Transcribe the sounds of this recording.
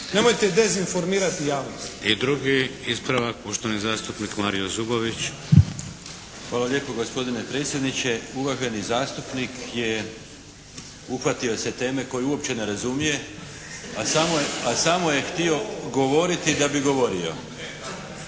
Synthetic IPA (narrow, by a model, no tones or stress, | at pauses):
nemojt̪ed̪ezinfo̞ɾmiːɾat̪ijaːʋnost̪id̪ɾuɡiispɾaʋakoʃt̪onizaːst̪upnikmaːɾijozuboʋit͡ɕ | xʋaːloʎʲje̞ːpo̞ɡo̞spo̞d̪ine̞pɾe̞ːt̪sʲje̞d̪nit͡ɕe̞uʋaʒe̞nizaːst̪upnikje̞ | uxʋat̪io̞set̪e̞ːme̞ko̞jeuo̞pt͡ɕe̞ne̞ɾazumije̞ | asamoasamo̞je̞xt̪io̞ɡo̞ʋo̞ɾit̪id̪abiɡo̞ʋo̞ɾio̞̰